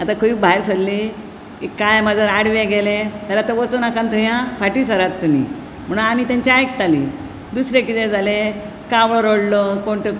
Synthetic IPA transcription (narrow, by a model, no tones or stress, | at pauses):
at̪akʰuiːkbʱaeɾt͡sʰəlːi | ikːajmad͡zəɾaɽʋeɡelẽt̪əɾat̪əʋət͡sunakant̪əɦjãfaʈiːsəɾat̪ːumḭ | m̤əɳũamiːt̪jãɲt͡ɕaajk̚t̪alḭː | d̪usɾekit̪ẽd͡zʱale | kãʋɭɔɾoɽlɔkoɳʈə